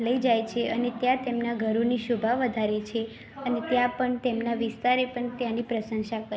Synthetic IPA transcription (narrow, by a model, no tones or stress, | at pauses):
ləid͡ʒajt͡ʃʰeʔənet̪jãt̪emnaɡʱəɾoniʃubʱaʋəd̪ʱaɾet͡ʃʰe | ənet̪jãpəɳt̪emnaʋɪst̪aɾepəɳt̪janipɾəsəŋʃakə